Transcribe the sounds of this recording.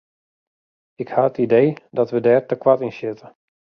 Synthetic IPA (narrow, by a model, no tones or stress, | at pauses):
ɪkhaətideːdɔtʋədɛːrtəkwatinsjɪtə